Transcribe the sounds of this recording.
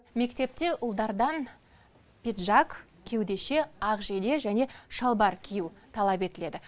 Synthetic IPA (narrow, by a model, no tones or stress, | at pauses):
me̞kt̪e̞p̚t̪e̞ʔʊlˠd̪ɑɾd̪ɑn | pʲet̪ʒɑk | kʲʰe̞wd̪e̞ʃe̞ɑqʒed̪e̞ʒæne̞ʃɑlˠbɑɾkʲʰijuwt̪ʰɑlˠɑpe̞t̪ɪle̞d̪ɪ